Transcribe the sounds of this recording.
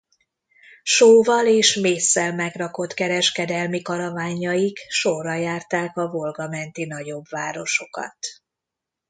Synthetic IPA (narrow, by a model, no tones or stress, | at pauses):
ʃoːvɒleːʃmeːsːɛlmɛɡrɒko̞t̪kɛɾɛʃkɛd̪ɛlmikɒɾɒvaːɲɒjikʃo̞rːɒjaːrt̪aːkɒvo̞lɡɒmɛnt̪in̪ɒɟo̞bvaːɾo̞ʃo̞kɒ̰t̪